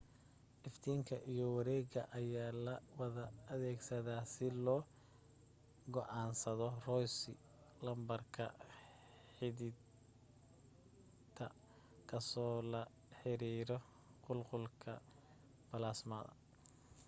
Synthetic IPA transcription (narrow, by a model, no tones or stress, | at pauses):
ʔɪft̪ʰiːŋkʰɐʔijɔwɐɾɛːɣɐʔɐjaːlɐwɐðɐːðɛːɡsɐðaːsɪlɔː | ɡɔʔɑːnsɐðɔrɔjsɪ | lɐmbɐrkʰɐ̰ | ħɪðɪ | t̪ʰɐ | kʰɐsɔːlɐ | ħɪɾiːɾɔ | qʊlqʊlkʰɐ̰ | b̥ɐlaːsmɐðɐ̰